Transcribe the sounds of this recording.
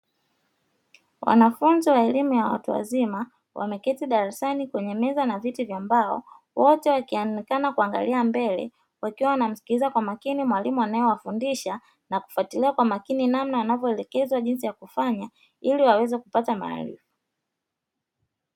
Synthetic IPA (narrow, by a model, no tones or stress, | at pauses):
wa̰nafunziwaɛlimujawa̰tuwa̰zima | wʔa̰mɛkɛtiɗaɾasanikwɛɲɛmɛzanavitivjambaɔ̰ | wɔtɛwakiaikanakuaŋɡa̰liambɛlɛ̰ | wakiwawanam̩si̥kizakwamakinimwalimuanajɔwafundiʃa | naku̥fatiliakwamakininamnawanavjɔɛlɛkɛzwaʄinsijakufaɲa | iliwawɛzɛkupatama̰ːlḭfu̥